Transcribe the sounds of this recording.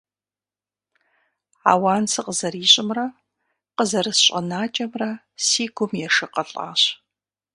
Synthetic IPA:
a̰ːwaːnsɨqəzɐriːɕʼɪmrɐ | qəzɐrɨsɕʼɐ̰naːt͡ʃʼɐmrɐ | siːɡʷʊmjɛʂɨqɐɬʼa̰ːɕ

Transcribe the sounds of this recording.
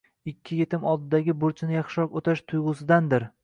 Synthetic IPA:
ɪkʲʰːɪjet̪ʰɪmɒlˠd̪ɪd̪aɡʲɪbʊɾt͡ʃʰɪnɪjɑχʃɒqot̪ʰaʃt̪ʰʊjʁʊsɪd̪and̪ɪɾ

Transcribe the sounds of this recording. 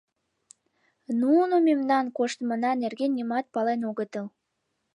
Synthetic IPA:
nunomemnɑnkoʃt̪mənɑnerɣenːimɑt̪̚pɑlenoɣət̪əl

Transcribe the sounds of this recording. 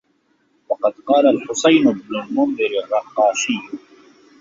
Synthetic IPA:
wɑqɑd̪qɑːlalħʊsajnʊbnʊlmʊnðˤɨɾɪrˤːɑqːɑːʃɪː

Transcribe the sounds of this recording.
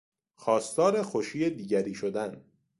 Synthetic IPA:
xɒːst̪ɒːɾe̞xoʃiːjed̪iːɟæɾiːʃod̪æn

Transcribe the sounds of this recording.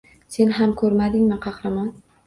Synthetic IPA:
se̞nɦamkʰɵɾmad̪ɪŋmɪqʰɑχɾaman

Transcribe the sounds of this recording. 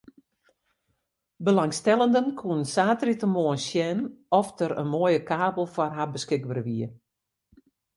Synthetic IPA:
bəlaŋstɛlˠəndənkʰuənsaːtritəmoənsjɛnɔftəɾə̰nmoəjəkaːbəl̩ˠfɔrɦabəskɪɡ̚bərəʋiə

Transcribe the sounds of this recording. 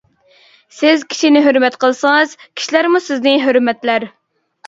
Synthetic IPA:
sɪzkʲʰi̥ʃinɪɦøɾmɛt̪qʰəlˠsəŋɨz̥kʲʰi̥ʃilæɾmusɪznɪɦøɾmɛt̪læɾ

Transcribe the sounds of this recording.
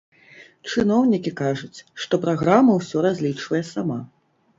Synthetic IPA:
t͡ʂɨnɔwnʲikʲikaʐut͡sʲʂt̪ɔpɾaɣɾamɐwsʲɔɾazʲlʲit͡ʂvɐjɛsama

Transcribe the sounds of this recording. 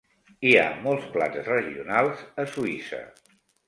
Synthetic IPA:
ia̰mɔlˠspla̰nzrəʒiunalˠzəsuisə̰

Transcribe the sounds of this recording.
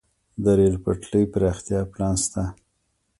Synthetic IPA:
d̪əɾelpaʈləjpəɾɑxt̪jɑplɑnst̪a

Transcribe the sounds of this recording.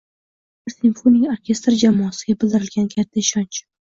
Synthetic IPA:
ɪɾsɪmfonɪŋoɾkʲe̞st̪ɾd͡ʒamɒːasɪɡʲabɪld̪ɪɾɪlɡʲankʲʰat̪ʰːaɪʃɒnt͡ʃ

